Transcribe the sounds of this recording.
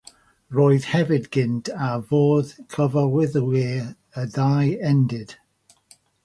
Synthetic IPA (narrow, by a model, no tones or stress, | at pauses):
roːɨð̥hɛvɪdɡ̥ɪntʰavoːð̥kʰəvawɪðəweː | ədajɛndɪd̥